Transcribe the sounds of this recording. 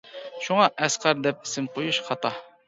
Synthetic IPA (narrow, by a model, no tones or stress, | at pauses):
ʃuŋɑʔɛsqʰɑɾd̪ɛp̚ɪ̥sɪmqʰojuʃχʰɑt̪ɑ